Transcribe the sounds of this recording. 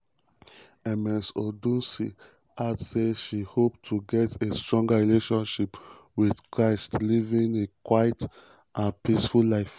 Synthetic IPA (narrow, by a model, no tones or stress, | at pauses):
ɛmɛ̃nsodũnsi | ʔadseʃihop̚tʰuɡɛtʰestɹɔ̃ŋɡaɹileʃɔ̃nʃip | wið̥kʰɹaɪstlivĩŋekwaɪt | ʔãnpisfullaɪf